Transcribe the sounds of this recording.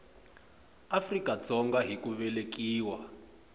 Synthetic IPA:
afrikad͡zɔŋɡaɦikuβɛlek̬iːwa

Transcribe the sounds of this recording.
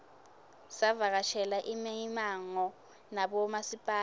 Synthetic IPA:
savak̬aʃʰɛlaʔimimaŋɔ | naɓɔmasipʼaː

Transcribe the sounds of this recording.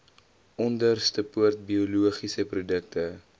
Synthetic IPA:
ɔndərstəpuərt̚biuluəχisəprudək̚tə

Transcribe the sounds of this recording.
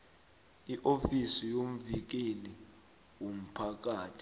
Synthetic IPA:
iʔofisijom̩vik̬eni | wom̩pʰak̬aːtʰi̥

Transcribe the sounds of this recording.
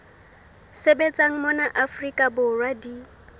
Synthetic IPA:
sebet͡sʼaŋ̩mɔnaʔafrikʼabʊrwadi

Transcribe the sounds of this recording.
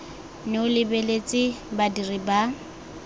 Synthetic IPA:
nɪʊlɪbelet͡sʼɪbadiriba

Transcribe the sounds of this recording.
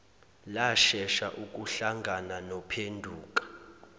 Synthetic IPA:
laʃɛʃaʔuk̬ʼuɬaŋɡʱananɔpʰendʱuːk̬ʼḁ

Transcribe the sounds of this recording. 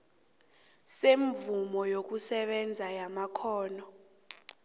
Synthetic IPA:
seɱvumɔjok̬usɛɓɛnd͡zʱajamakʰɔːnɔ

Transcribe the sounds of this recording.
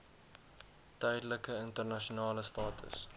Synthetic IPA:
tœjdələkəəntərnɐʃunɑːləstɑːtʰə̰s

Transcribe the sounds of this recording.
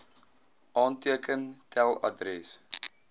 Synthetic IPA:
ʔɑːntiəkʰəntʰɛlˠɐ̰dɾɛs

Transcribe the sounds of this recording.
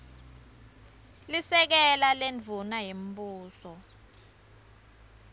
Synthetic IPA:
lisɛk̬ɛlalend͡vʱunajem̩buːsɔ

